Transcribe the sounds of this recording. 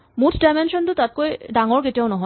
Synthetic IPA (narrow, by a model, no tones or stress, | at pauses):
mut̪ʰɖamenʃɔnd̪ut̪at̪̚kojɖaŋoɾkeʈawnɔɦɔ